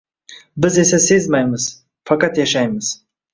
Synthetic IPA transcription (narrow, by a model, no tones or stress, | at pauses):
bɪzesasezmajmɨz̥ | fakat̪jaʃajmɪz̥